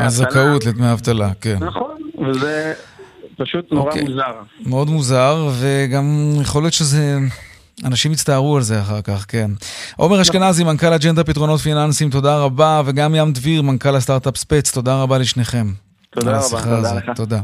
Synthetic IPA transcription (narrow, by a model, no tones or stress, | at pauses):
azakaut̪led̪meaavt̪alakennaχonveze | paʃut̪nokeuzaʁmeo̞d̪muzaʁve̞ɡamjeχolijo̞t̪ʃeze | anaʃimit͡st̪aːʁualze̞aχaʁkaχke̞nʔo̞̰me̞ʁhaʃkenazimankalad͡ʒend̪apit̪ʁo̞no̞t̪finansimt̪o̞d̪aʁabave̞ɡamjamd̪viʁmankalast̪aʁt̪apspet͡st̪o̞d̪aʁabaleʃne̞χe̞m | alasiχaazot̪ːod̪a